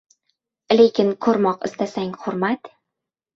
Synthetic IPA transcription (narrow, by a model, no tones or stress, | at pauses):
lekʲɪnkʰɵɾmɒqɪst̪asaŋʲχʊɾmat̪